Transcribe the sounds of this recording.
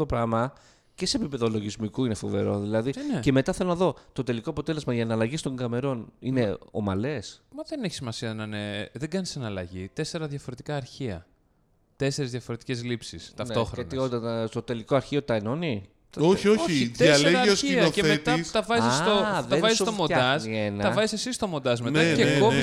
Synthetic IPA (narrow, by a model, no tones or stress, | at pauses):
t̪opɾɐɣmɐ | ce̞se̞ːpipe̞ðolo̞ʝizmikuine̞fo̞ve̞ɾo̞ðilɐðince̞me̞t̪ɐθelo̞nɐðo̞t̪o̞t̪e̞likoɐpo̞t̪e̞le̞zmɐʝɐːnɐlɐʝist̪o̞ŋɡɐme̞ɾo̞nine̞o̞mɐle̞smɐðeneçi̥simɐsiɐnɐneðeɡɐnisɐnɐlɐʝit̪ese̞ɾɐðjɐfo̞ɾe̞t̪i̥kɐːɾçiɐ | t̪ese̞ɾizðʝɐfoɾe̞t̪i̥cezlipsist̪ɐnfet̪o̞xɾoeniot̪ɐt̪ot̪e̞liko̞ɐɾçiot̪ɐeno̞ni | oçiooiiðɐleɐeosiɐɐeθeet̪ist̪ɐvɐzisoðɐevzist̪omod̪ɐsienɐɐvɐzisesist̪o̞mond̪ɐzmet̪ɐeko